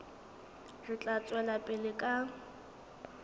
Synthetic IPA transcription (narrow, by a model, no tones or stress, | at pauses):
rɪt͡ɬʼat͡sʼwɛlapʼɪlɪkʼa